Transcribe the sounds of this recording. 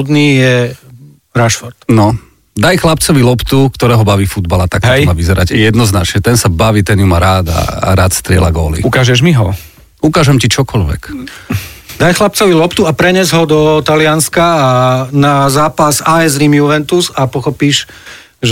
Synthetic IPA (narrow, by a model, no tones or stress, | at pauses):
d̪nijɛ | ɾaʃfɔɾt̪nɔ | d̪ajxlapt͡sɔʋilɔpt̪ukt̪ɔɾɛːɦɔbaʋiːfud̪balat̪ak̚t̪maʋizɛɾaɟjɛd̪nɔznat͡ʃɲɛt̪ɛnsabaʋiːt̪ɛnjumaɾaːd̪a̰ːɾaːt̪st̪ɾɪɛ̰la̰ɡɔːlḭukaːʒɛʒmiɦɔ | ukaːʒɛmcit͡ʃɔkɔʎʋɛ̰k | d̪ajxlap̚t͡sɔʋilɔpt̪uapɾɛɲɛzɦɔd̪ɔt̪alɪanskaːnazaːpasaɛzɾimjuʋɛnt̪uzapɔxɔpiːʒ | ʒ